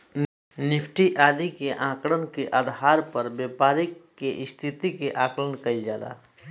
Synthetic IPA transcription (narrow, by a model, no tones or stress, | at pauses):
nɪpʰʈiʔaːd̪ikeʔãːkɽənkeʔaːd̪ɦaːɾpəɾbeːpaːɾɪkːeʔɪst̪ʰɪt̪ikeʔãːklənkɐid͡ʒaːd̪a̰ː